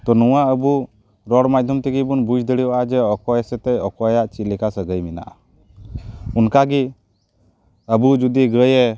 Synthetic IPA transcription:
t̪ɔnuwaʔəbu | ɾɔɽmad̪ʱjɔmt̪ɛɡibunbud͡ʒd̪əɽiaʔad͡ʒɛɔkɔjɛsɛt̪ɛjɔkɔjaʔt͡ʃilɛkasəɡəjmɛna̰ʔa | unkaɡi | əbud͡ʒud̪iɡəjɛ

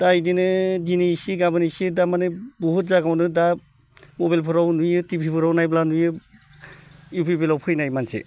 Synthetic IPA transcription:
tajdinɯzinesiɡabɯnisidamanɯbuɦut̚zaɡawnɯda | mobalpʰɯɾawnujɯtipʰipʰɯɾawnajblanujɯ | jupʰibelawpʰɯjnajmansḛ

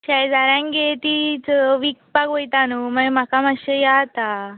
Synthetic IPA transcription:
ɕajd͡zaɾãŋɡet̪it͡səʋikpakʋojt̪anuməm̤akamaɕejat̪a

